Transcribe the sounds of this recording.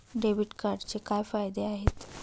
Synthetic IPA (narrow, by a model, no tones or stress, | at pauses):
ɖeʋiʈkaɾɖt͡sekajfajd̪eaɦet̪